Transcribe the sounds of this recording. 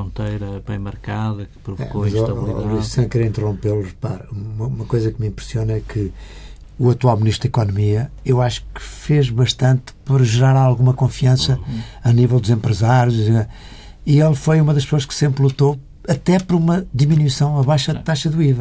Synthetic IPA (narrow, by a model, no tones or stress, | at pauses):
õnt̪ɐjɾɐbɐ̰̃j̃mɐɾkaðɐkɨ̥pɾuvkomɐzlˠizsɐ̃kɛɾĩnt̪ɨʁõmpelˠʁpa̰ɾuumɐumɐkojzɐkmĩmpɾsionɐɛkɨ | uɐt̪walˠmniʃt̪ɾðikɔnumiɐewaʃu̥kɨ̥feʒβɐʃt̪ɐ̃nt̪pɔɾʒɨɾaɾalˠɣumɐkõfiɐ̃sɐɐnivɛlˠd̪uzẽmpɾɨzaɾjuzzia | iɛlˠɐfojumɐðɐʃpsoɐʃksẽmpɾlˠut̪o | ɐt̪ɛpɔɾɐumɐd̪iminwisɐ̃w̃ɐβajʃɐðt̪aʃɐðuivɐ